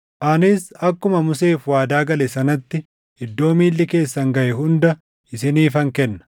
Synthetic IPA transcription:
ʔɐnɪsɐkːʊmɐmʊse̞ːfwaːd̪aːɡɐlɛsɐnɐt̪ːɪ | ɪd̪ːo̞ːmiːlːɪke̞ːsːɐŋɡɐʔɛɦʊnd̪ɐ | ʔɪsɪniːfɐŋkɛnːɐ̥

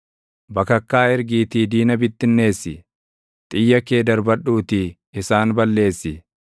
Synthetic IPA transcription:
bɐkɐkːaːɪɾɡiːt̪iːd̪iːnɐbɪt̪ːɪnːe̞ːsːɪ | t̪ʼɪjːɐke̞ːd̪ɐɾbɐᶑuːt̪ɪ | ɪsaːnbɐlːe̞ːsːɪ

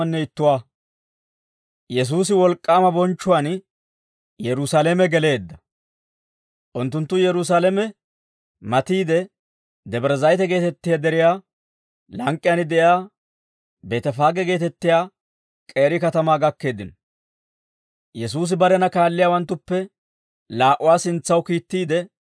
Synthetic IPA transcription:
ɐnːɛɪt̪ːʊwaː | jɛs̬uːs̬ɪwɔlkʼːaːmɐbɔnt͡ʃːʊwan | jɛɾʊsalemɛɡɛle̞ːd̪ːɐ | ʔʊnt̪ːʊnt̪ːʊjɛɾʊs̬aːlɛmɛ | mɐt̪iːd̪ɛ | d̪ɛbɾɛzɐjt̪ɛɡe̞ːt̪ɛt̪ːɪjad̪ɛɾɪjaː | lɐŋkʼːɪjanɪd̪ɛjaː | beːt̪ɛfaːɡɛɡe̞ːt̪ɛt̪ːɪjaː | kʼe̞ːɾɪkɐt̪ɐmaːɡɐkːe̞ːd̪ɪnɔ | jɛs̬uːs̬ɪbɐɾɛnɐkaːlːɪjaːwɐnt̪ːʊpːɛ | laːʔʊwaːsɪnt͡sːɐwkiːt̪ːiːd̪ɛ

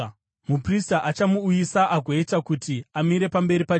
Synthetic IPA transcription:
mupristaʔat͡ʃamuːjisaʔakeitakutiamiɾe̞pambe̞ɾipa

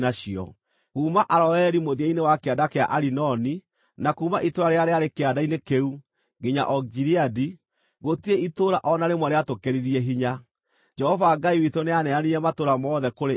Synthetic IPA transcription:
naɕiɔ̰ | ɣuːmaʔaɾɔɛɾimoðieinewakeadakea̰ʔaɾinɔni | nakuːmaʔitoɾaɾeaɾeaɾekeadainekeu | ɡeɲa̰ʔɔɡiɾiadi | ɣotieitoːɾaʔɔnaɾemwaɾeatokeɾiɾiɛɦiɲa | d͡ʒɛhɔvaːɡaiwitoneanɛaniɛmatoɾamɔːðɛkoɾe

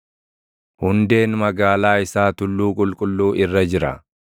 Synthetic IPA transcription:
hʊnd̪e̞ːnmɐɡaːlaːɪsaːt̪ʊlːuːkʼʊlkʼʊlːuːʔɪrːɐd͡ʒɪɾɐ̰

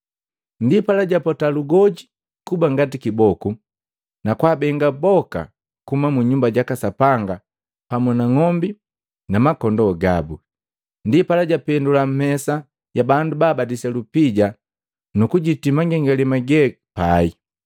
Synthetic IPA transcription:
ndipalaɟapɔtaluɡɔɟi | kubaŋɡatikibɔku | nakwaːbɛŋɡabɔka̰ | kumamuɲumbaɟakasapaŋɡa | pamunaŋɔmbi | namakɔndɔɡa̰bu | ndipalaɟapɛndulam̩mɛsa | ɟabandubaːbadisɛlupiɟa | nukuɟitimaŋɡɛŋɡɛlɛmaɡɛ | pai

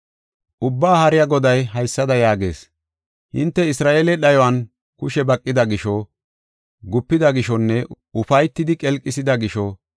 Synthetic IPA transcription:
ʔʊbːaːhɐɾɪjɐɡɔd̪ɐjɦɐjsːɐd̪ɐjaːɡe̞̰ːs | hɪ̰nt̪ːɛɪsɾaːʔeːlɛɗɐjɔwɐn | kʊʃɛbɐkʼːɪd̪ɐɡɪʃɔ | ɡʊpːɪd̪ɐɡɪʃɔnːɛ | ʊfɐjt̪ːɪd̪ɪkʼɛlkʼːɪsɪd̪ɐɡɪʃɔ

